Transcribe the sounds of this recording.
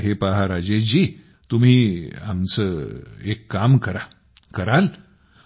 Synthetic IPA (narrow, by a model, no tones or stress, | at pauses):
ɦepaɦaɾad͡ʑed͡ʑi | t̪um̤iːa̰mt͡səekːamkəɾa | kəɾal